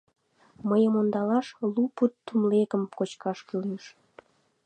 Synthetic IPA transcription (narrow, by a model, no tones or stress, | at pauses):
məjəmond̪ɑlɑʃluput̪ːumlekəmkot͡ɕkɑʃkylneʃ